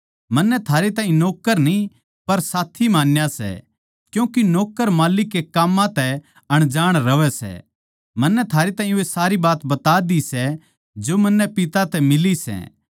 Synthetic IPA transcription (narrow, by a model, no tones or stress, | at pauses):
mɐnːɛt̪ʰaːɾet̪ãːɦĩnɔːkːəɾnĩ | pɐɾsaːt̪ʰimaːnjasɛ̰ | kjũːkinɔːkːəɾmaːlɪkːekaːmːãt̪ɛ | ɐɽ̃d͡ʒaːɽ̃ɾɐʋɛsɛ̰ | mɐnːɛt̪ʰaːɾet̪aːĩesaːɾibaːt̪bɐt̪aːd̪isɛ | d͡ʒomɐnːɛpɪt̪at̪ɛmɪlisɛ̰ː